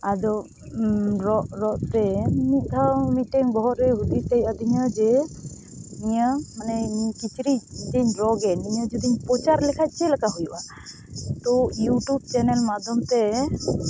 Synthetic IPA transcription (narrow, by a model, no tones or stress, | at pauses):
ad̪ɔ | ɾɔʔɾɔʔt̪ɛmit̪̚t̪ʰawmiʈɛŋbɔɦɔɾɛɦud̪it̪ejad̪iɲad͡ʒɛ | iɲamanɛikit͡ʃɾid͡ʒiɲɾɔɡɛniɲad͡ʒɔd̪iɲpɔt͡ʃaɾlɛkʰat̪̚ˀt͡ʃʰɛlakaɦujuʔa | t̪ɔjuʈub̚t͡ʃɛnɛlmad̪ʱɔmt̪ɛ